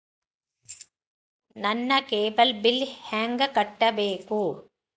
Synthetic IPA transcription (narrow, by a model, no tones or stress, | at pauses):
nɐnːɐkeːbɐlbɪlhaːŋɡɐkɐʈːɐʋeːkuː